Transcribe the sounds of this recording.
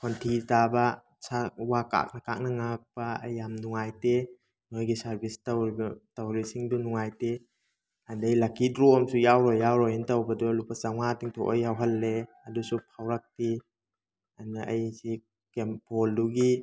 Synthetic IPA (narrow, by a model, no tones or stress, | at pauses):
kʰontʰitabɐ | sʰawaka̰k̚nɐkak̚nɐŋak̚paɐ̰jːamnuŋajte | nojɡisaɾbʱisatawɾisiŋdunuŋajte | andajlakitɾomsujawɾɔjːawɾɔjintawbɐdulupasaŋatiŋtʰɔʔojawɦalːe | ɐdusupʰawɾak̚ti | anaajsi | kempɔlduɡi